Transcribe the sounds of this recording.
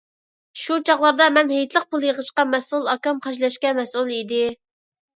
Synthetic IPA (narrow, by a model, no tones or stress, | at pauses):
ʃut͡ʃʰɑχlˠɑɾd̪ɑmɛnhejt̪ʰlˠəq̚pulˠjəʁəʃqɑmɛsulˠɑkɑmχɑʃlɛʃkʲɛmɛsulˠid̪ɪ